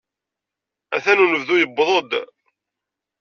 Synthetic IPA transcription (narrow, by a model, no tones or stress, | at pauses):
æ̰θænunəvðujəbːðˤod̪